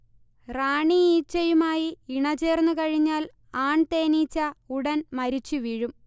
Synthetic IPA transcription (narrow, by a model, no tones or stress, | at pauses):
raːɳiiːt͡ɕːɐjumaːjiiɳɐt͡ɕe̞ːrnːukɐɻiɲːaːl | aːɳt̪eːniːt͡ɕːɐuɽɐnmɐɾit͡ɕːɨʋiɻum